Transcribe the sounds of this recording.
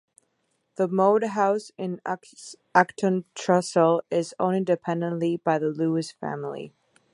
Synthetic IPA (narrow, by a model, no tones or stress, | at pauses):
ðəmoʊdɦaʊsɪ̃n | æktʰə̃ntʰɹ̥ʌsl̩ˠɪzõ̰ʊ̃nɪ̃ndɨpʰɛ̃ndə̃nʔlibaɪðəluɨsfæ̰̃ml̩ḭ